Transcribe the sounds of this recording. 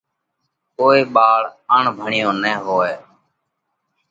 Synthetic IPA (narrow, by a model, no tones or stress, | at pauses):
koːiːɓaːɭəɳbʱəɳɪjõːnɛːɦoːeː